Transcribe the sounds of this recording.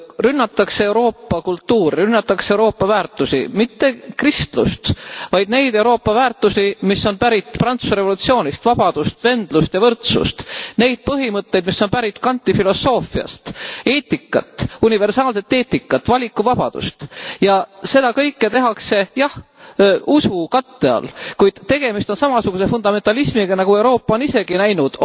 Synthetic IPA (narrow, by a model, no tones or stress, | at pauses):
rynːɑt̪ːɑksee̞wɾo̞ːpːɑkult̪ːuːɾirynːɑt̪ːˑɑksee̞uɾo̞ːpˑːɑvæːrt̪ːˑusḭmit̪ːe̞krist̪lṵst̪vɑjd̪̥ne̞jd̪̥e̞uwɾo̞ːpːˑɑvæːrt̪ːˑusimisːo̞npæɾit̪prɑnt̪susɾe̞vo̞lut̪sio̞ːnʲist̪vɑb̥ɑd̪̥ust̪ve̞nd̪̥lust̪jɑvɤrt̪sṵst̪ne̞jd̪̥̚pɤɦimɤt̪ːˑe̞jd̪misːo̞npæɾit̪ːkɑnʲt̪ːˑifilo̞sːo̞ːfiɑ̰st̪e̞ːt̪ːˑikːˑɑ̰t̪ːˑunive̞rsɑːlse̞t̪ːe̞ːt̪ːikːˑɑt̪ːˑvɑlʲikːˑuvɑb̥ɑd̪̥ṵst̪jɑse̞d̪̥ɑkɤjkːet̪e̞ɦɑkse̞jɑh | usukɑt̪ːe̞ɑ̰lkujd̪̥t̪e̞ɡe̞mist̪o̞nsɑmɑsuɡ̥use̞fund̪ɑme̞nt̪ːˑɑlismiɡɑnɑɡ̥ue̞wɾo̞ːpːˑɑo̞nise̞ɡ̥inæjnud̪̥